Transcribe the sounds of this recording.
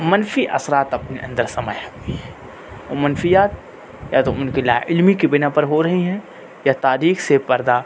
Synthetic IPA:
mɐnfiʔɐ̰sɾaːt̪ɐpneʔɐ̃nd̪əɾsɐməjɦõːɡiɦɛ̃ | o̰ːmɐnfijaːt̪ | jaːt̪oʊnkelaːʔɪlmikibɪnapɐɾɦoɾɐɦiɦɛ̃ | jat̪aːɾiːxsepɐɾd̪a

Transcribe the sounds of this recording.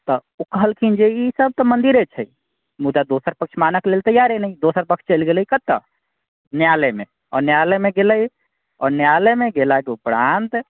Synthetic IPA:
t̪ɔ | okəɦəlkʰind͡ʒeisəb̚t̪əmənd̪iɾet͡ʃʰɛj | mud̪ad̪osəɾpək̚t͡ʃʰmanəklelt̪əjaɾenəjd̪osəɾpəkt͡ʃʰt͡ʃəlɡeləjkət̪ːə | njaleme | ɔ̰ɾnjalɛmeɡeləj | ɔɾnjalemeɡelakeupɾant̪

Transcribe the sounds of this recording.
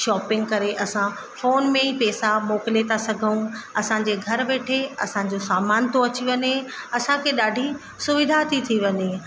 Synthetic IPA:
ʃɔːpɪ̃ŋɡkɐɾeʔɐsã | foːnmẽipɛːsamoːkɪlet̪ʰasɐɡʱəũɐsãɲd͡ʑeɡʱɐɾʋeːʈʰeɐsãd͡ʑosaːmaːnt̪oɐt͡ɕiʋɐɲeɐsãkʰeɗaːɖʱi | sʊʋɪd̪ʱat̪ʰit̪ʰiʋɐɲe

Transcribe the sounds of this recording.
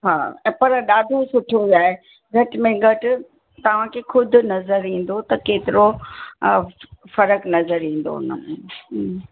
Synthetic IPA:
ɦa̰ːɛ̃ːpɐɾɗaːɖʱosʊʈʰijojaːɦe | ɡʱɐʈɪmẽɡʱɐʈɪ̆ | t̪ɐʋ̤ãkʰexʊd̪ʱʊ̆nɐzəɾĩːn̆d̪ot̪ɐkeːt̪ɪɾo | fɐɾəknɐzəɾĩːn̆d̪o̰nə̰mũː

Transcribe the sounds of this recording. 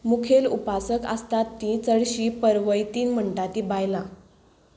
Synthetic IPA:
mukʰelṵpasəkə̰st̪at̪ːĩt͡səɽɕiːpəɾʋəjt̪iːnm̤əɳʈat̪iːbajla

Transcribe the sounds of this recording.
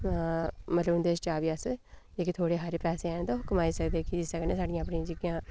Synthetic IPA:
mət̪ləbnd̪eːst͡ʃaːʋiəsd͡ʒeːkit̪ʰoːɽeːɦəɾpɛːseːɛːnd̪oːɦʊkmaːiːsəkd̪eːkɪsəknẽːsaːɖijãːpɳĩd͡ʒɪɡijãː

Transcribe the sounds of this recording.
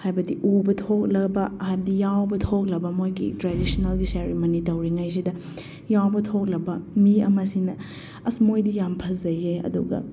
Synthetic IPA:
hajbɐdiʔubɐtʰok̚lɐbɐhajbɐdijawbɐtʰok̬̚lɐbɐmojɡḭtɾadisonɐlɡiseɾimonitɐwɾiŋajs̬idɐ | jawbɐtʰok̚lɐbɐmiɐ̰mɐsinɐ | ɐsmojdijampʰɐzɐjeɐ̰duɡɐ̰

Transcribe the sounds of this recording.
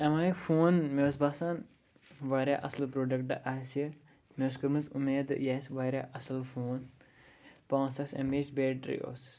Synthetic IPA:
ɐmaːifoːnmewsbaːsaːn | ʋaːɾja̰ːʔɐslpɾoːɖɐkʈɨʔaːsi | mewskɐɾmɨzumeːd̪jaːsʋaːɾʲjaːʔɐsɐlfoːn | pãːsɐksɐ̰meːsbeːʈɾḭo̰ːs

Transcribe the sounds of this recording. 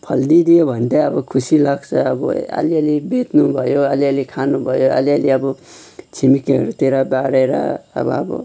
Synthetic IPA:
pʰʌld̪id̪ijobʱʌnd̪aʌbʌkʰusilaɡt͡sʰʌʌbʌ̰ʌ̰liʌlibet̪nubʱʌjoʌliʌlikʰanubʱʌjoʌ̰lialiʌbʌ | t͡sʰimikiʌɾut̪eɾabaɽeɾʌ̰ːbʌ̰ʌbʌ̰

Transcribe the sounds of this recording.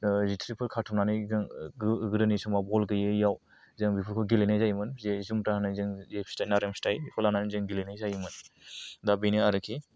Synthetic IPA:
zitʰɾipʰɯɾkʰatʰumnanɯzɯŋɡɾɯnisumabɔlɡɯjɯjaw | zɯŋbipʰɯkʰuɡilenajzajmɯnzezumtahanɯzɯŋzepʰstajnaɾemstajpʰɔlananizɯŋɡilenajzajmɯndabiniaɾɯkʰi

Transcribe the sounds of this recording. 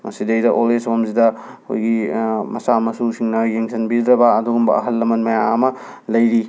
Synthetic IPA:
mɐsidɐjdɐʔolesomzidɐ | ko̰jɡimɐsamɐsusiŋnɐjeŋsʰɐnbid̪ɾɐbɐːduɡumbɐ̰ɐɦɐlːɐmɐnmɐjaɐmɐ | lɐjɾi

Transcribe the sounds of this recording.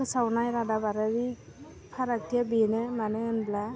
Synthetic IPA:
ɯsawnajɾadabaɾaɾi | pʰaɾak̚tʰijabinɯmaneɯnbla

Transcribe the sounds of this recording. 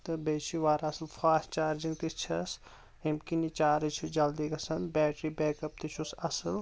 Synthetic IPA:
t̪ɨbeːt͡ʃʰiʋaːɾaːsɨlfʰaːst͡ʃaːɾd͡ʒĩŋɡt̪it͡ʃʰɐs | imkinit͡ʃaːɾit͡ʃʰud͡ʒɐld̪ikɐsɐnbɛːʈɾibɛːkɐp̚t̪it͡ʃʰusɐsɨl

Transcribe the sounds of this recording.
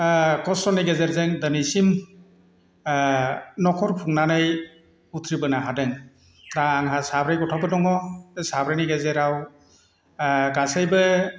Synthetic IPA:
kɔstɔnajɡezeɾzɯŋdənisim | nɔkʰɔɾpʰuŋnanɯj | utʰɾibɯnaɦadɯŋ | ɾaaŋɦasabɾajɡɔtʰɔbɯdɔŋɔsabɾajnaɡezeɾaw | ɡasajbɯ

